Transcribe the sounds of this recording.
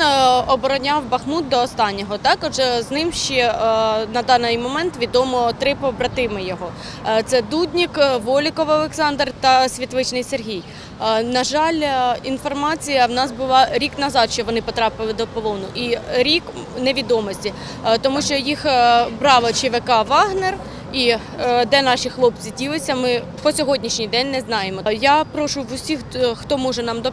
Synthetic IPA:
nɔbɔɾɔnʲɑwbɐxmut̪̚d̪ɔːst̪ɑnʲːɔɦɔt̪ɑkɔʒɛznɪmʃt͡ʃɛnɐd̪ɑnɪjmɔmɛnt̪ʋʲid̪ɔmɔt̪ɾɪpɔbɾɐt̪ɪmɪjɔɦɔ | t̪sɛd̪udʲnʲikʋɔlʲɪkɔʋɐlˠeksɑnd̪rt̪ɐsʲʋʲit̪ʋɪt͡ʃnɪjserɦʲij | nɐʒɑlʲinfɔrmɑt͡sʲijɐwnɑsbʊlˠɑɾʲiknɐzɑd̪ʃt͡ʃɔʋɔnɪpɔt̪ɾɑpɪlˠɪd̪ɔpɔlˠɔwnʊʔiɾʲik | neʋʲid̪ɔmɔsʲtʲi | t̪ɔmuʃt͡ʃɔjixbɾɑʋɐt͡ʃɪʋekɑʋɑɦner | i | d̪ɛnɑʃixlˠɔp̚t͡sʲidʲilˠɪsʲɐmɪ | pɔsʲɔɦɔdʲnʲiʃnʲijd̪ɛnʲnɛznɑjemɔjapɾɔʃʊʋʊsʲixxt̪ɔmɔʒɛnɑmd̪ɔ

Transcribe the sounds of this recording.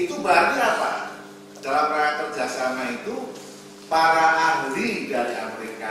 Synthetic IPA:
it̪ubaːrɲaapa̰ | dalamraat̪ɔrd͡ʒahsamait̪u | paɾaʔamɾidaɾia̰meɾika

